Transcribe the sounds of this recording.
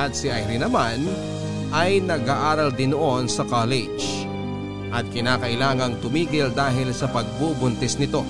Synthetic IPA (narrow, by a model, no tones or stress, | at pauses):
ɐt̪̚sɪʔajɾinɐman | ʔɐjnɐɡaːʔaːɾɐld̪ɪnoʔo̞nsɐkalɛd͡ʒ | ʔɐt̪̚kɪnaːkɐʔɪlaːŋɐŋt̪ʊmiːɡɪld̪aːɦɪlsɐpɐɡ̚bubʊnt̪ɛsnɪt̪o̞